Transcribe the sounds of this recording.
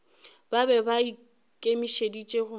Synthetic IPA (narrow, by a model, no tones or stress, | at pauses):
b̥abɛbai | kʼemiʃedit͡ʃʼeɣʊ